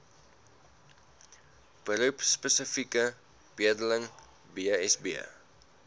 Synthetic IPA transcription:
b̥əɾupspəsəfikə | b̥iədələŋ | biəɛsbiə̰

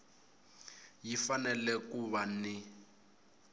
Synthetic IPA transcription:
jifanɛlɛkuβanɪ

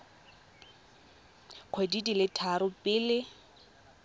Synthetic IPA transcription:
q͡χʰwedidilɪtʰaɾʊpʼɪːlɪ

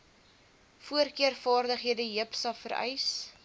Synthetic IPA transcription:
fuərkiərfɑːrdəχɦiədəɦəpsɐlˠfəɾɛ̰js

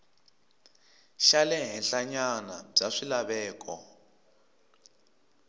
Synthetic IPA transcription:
ʃalɛɦɛnɬaɲanab͡ʐaʂilaβɛːkʰɔ̰

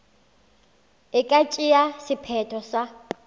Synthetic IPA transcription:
ɪkʼat͡ʃʼijasipʰɛtʰɔsa

